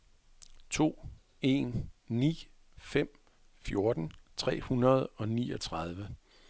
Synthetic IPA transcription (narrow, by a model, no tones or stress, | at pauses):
t͡sʰo̝̰ː | e̝̰ːnːḭː | fem̰ | fjo̝ɐd̥n̩t͡sʰʁɛ̰ːhunɐð̞ˠɒ̽niːɒ̽t͡sʰʁɑð̞ˠʋə